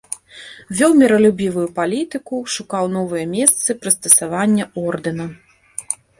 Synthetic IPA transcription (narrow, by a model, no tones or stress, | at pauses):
vʲɔwmʲɛɾɐlʲubʲivujupalʲit̪ɨkuʂukawnɔvɨjɐmʲɛst̪sɨpɾɨst̪ɐsavanʲːɐɔrd̪ɨnɐ